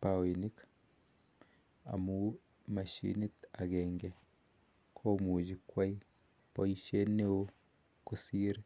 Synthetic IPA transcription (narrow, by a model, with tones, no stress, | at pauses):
pawi˨ni˦k | a̰˨mu | ma˨ʃḭ˦ni˦ta˨ɣɛŋɡɛ | kʰo˦mu˨d͡ʒikwa˦i˦ | pɔ˨iʃe˦ne˦o | kosiɾe